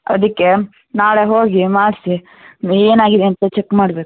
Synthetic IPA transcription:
ɐ̰d̪ɐkːe̞ | naːɭeɦoːɡimaːɽsi | eːnaːɡid̪eɐnt̪ɐt͡ʃekːmaːɽbe̞ːku̥

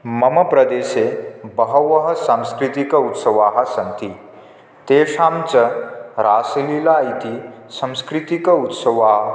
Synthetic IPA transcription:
mɐmɐpɾɐd̪eːsebɐɦɐʋɐɦɐsamskɾit̪ikɐut̪sɐʋaːɦɐsɐnt̪ʰi | t̪eːʂaːmt͡ʃɐɾaːsɐlilaːit̪isɐ̃mskɾit̪ikɐut̪sɐʋaːɦ

